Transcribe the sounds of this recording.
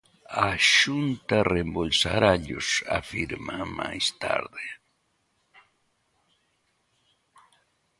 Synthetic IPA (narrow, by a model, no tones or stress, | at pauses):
aʃunt̪arembolsaɾaʎo̰sa̰fiɾmamajst̪a̰ɾðe